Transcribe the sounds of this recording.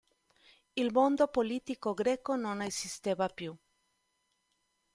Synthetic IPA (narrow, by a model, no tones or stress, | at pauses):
ilmond̪opolit̪ikoɡɾeːkononesist̪evapju